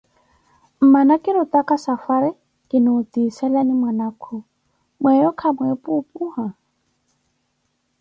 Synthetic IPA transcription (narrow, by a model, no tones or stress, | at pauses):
m̩manakʼɪɾʊtʼakʼasafaɾɪ | kʼɪnʊʊtisɛlanɪmwanaːkʰʊ | mwɛjɔkʰamwɛpʼupʼuːha